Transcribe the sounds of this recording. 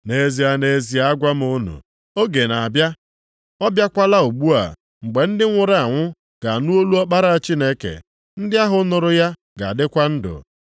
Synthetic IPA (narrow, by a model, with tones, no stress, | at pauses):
ne˨zi˨a˨ne˨zi˨a˦a˦ɡʷa˦m̩˦o˦nṵ˨ | o˦ɡe˨na˨bja˦ | ɔ˦bja˦kʷa˦la˦o˨ɡ͡bu˦a̰˨ | ŋ͡m̩˨ɡ͡be˨n̩˦dɪ˦ŋʷʊ˨ɾa˨ŋʷʊ˦ | ɡ̥a˨nu˦o˦lu˦ɔ˦k͡pa˦ɾa˦a˨t͡ʃi˦ne˦kḛ˨ | n̩˦dɪ˦a˦ɦʊ˦nʊ˨ɾʊ˨ja˦ | ɡa̰˨dɪ˦kʷa˦n̩˦dʊ̰˨